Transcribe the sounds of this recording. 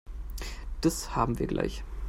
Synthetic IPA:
d̥ashaːbm̩viːɐɡlʔa̰ɪç

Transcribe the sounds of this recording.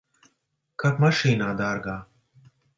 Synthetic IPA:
kʰɐt̪mɐʃiːnaːd̪aːɾɡaː

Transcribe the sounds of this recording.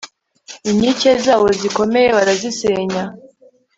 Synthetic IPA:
iɲicezaːβo̞ziko̞me̞je̞βaɾaziseːɲa

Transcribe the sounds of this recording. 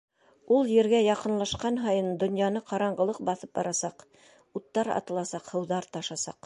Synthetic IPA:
ulˠjɘ̆ɾɡæjɑqɤ̆nlˠɑʃqɑnɦɑjɤnd̪ŏnjɑnɤqɑɾɑɴɢɤ̆lˠɤq̚bɑθɤp̚bɑ̰ɾɑsɑq | ut̪ːɑɾɑ̰t̪ɤ̆lˠɑsɑqhɤ̆wðɑɾt̪ɑʃɑsɑ̰q

